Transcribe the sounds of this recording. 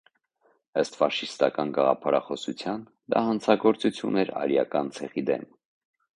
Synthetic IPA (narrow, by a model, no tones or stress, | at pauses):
əst̪fɑʃist̪ɑkɑnɡɑʁɑ̰pʰɑɾɑχɔsut͡sʰjɑn | d̪ɑ̰hɑnt͡sʰɑɡɔɾt͡sut͡sʰjunɛɾɑ̰ɾjɑ̰kɑnt͡sʰɛʁid̪ɛ̰m